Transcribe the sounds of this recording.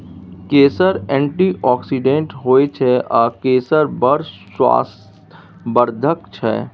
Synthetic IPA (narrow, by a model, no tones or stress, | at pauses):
keːsəɾɛ̃ːɳʈiʔɔːksiɖẽɳʈɦoːet͡ʃʰɛʔaːkeːsəɾbəɾ | wa̰ːs | bəɾd̪ʱək̚t͡ʃʰɛ̰ː